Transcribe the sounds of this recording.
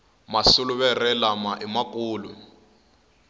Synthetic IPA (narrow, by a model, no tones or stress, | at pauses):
masuluβɛrɛlamaʔimakʼuːlu